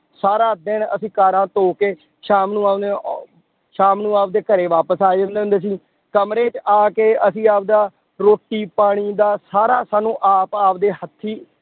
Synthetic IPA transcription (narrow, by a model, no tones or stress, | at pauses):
saːɾaːd̪ɪɳəsĩːkaːɾãːt̪oːkeː | ʃaːmnũːaːe | ʃaːmnũːaːpd̪eːkəɾeːʋaːpəsaːd͡ʒãnd̪eːɦʊnd̪eːs̬ĩː | kəmɾeːt͡ʃaːkeːəsĩːaːp̚d̪aː | ɾoːʈːiːpaːɽ̃iːd̪aːsaːɾaːsaːnũːʔaːpaːp̚d̪eːɦət̪ʰːiː